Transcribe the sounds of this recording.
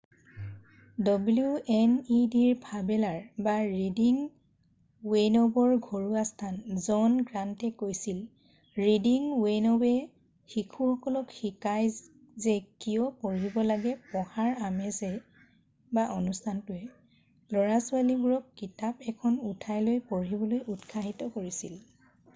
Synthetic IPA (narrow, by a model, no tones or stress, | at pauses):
dɔbljuɛnidiɹbʰʱabɛlaɹbaɹidiŋ | wenɔbɔɹɡʱoɹuastʰanzɔnɡɹantɛkojsil | ɹidiŋwenɔbɛ | xikʰuxɔkɔlɔkxikaj | zɛkijɔpoɹibɔlaɡɛpɔhaɹamɛzɛ | baʔɔnustʰantʊɛ | lɔɹasualibuɹɔkːitapɛkʰɔnutʰajlojpoɹibɔlojutkʰaɦitɔkoɹisil